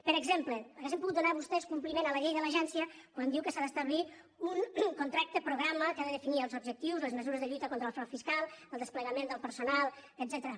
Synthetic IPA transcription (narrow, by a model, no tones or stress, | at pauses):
pəɾəɡzempləəɣazempuɣut̪d̪unaβust̪ɛskumplimenələʎejðələʒɛnsiə | kwand̪iwkəsaðəst̪əβlit̪ | unkunt̪ɾak̚t̪əpɾuɣɾaməkaðəðəfiniəlˠzubʒək̚t̪iwzləzməzuɾəzðəʎujt̪əkont̪ɾəlˠfɾɔfiskalˠəlˠd̪əspləɣəmend̪əlˠpəɾsunalˠəd̪zɛt̪əɾə